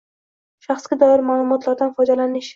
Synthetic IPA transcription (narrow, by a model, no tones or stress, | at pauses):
ʃaχsɡʲad̪ɒɪɾmaːlˠʊmɒt̪ʰlaɾd̪anfɒjd̪alanɪʃ